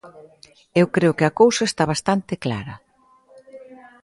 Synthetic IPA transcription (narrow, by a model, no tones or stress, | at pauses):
ewkɾeʊkɪɐkowsaest̪aβast̪ant̪ɪkla̰ɾɐ